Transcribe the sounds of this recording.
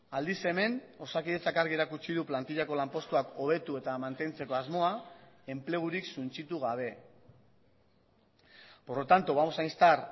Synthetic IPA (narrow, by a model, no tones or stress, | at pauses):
ald̪ise̞me̞no̞sakiðet͡sakaɾɣie̞ɾakut͡ʃiðuplant̪iʎako̞lampo̞st̪uako̞β̞e̞t̪ue̞t̪amant̪e̞nt͡se̞ko̞azmo̞ae̞mple̞ɣ̞uɾiksunt͡ʃit̪uɣaβ̞e̞ | poɾot̪ant̪uβamosajnst̪aɾ